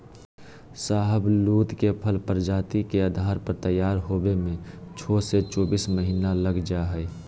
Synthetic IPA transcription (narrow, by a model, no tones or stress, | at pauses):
saːɦəbluːt̪kepʰəlpəɾd͡ʒaːt̪ikeəd̪ʱaːɾpəɾt̪əjːaːɾɦoːbemẽt͡ʃʰoːset͡ʃoːbiːsməɦiːnaləɡd͡ʒaɦɛɛ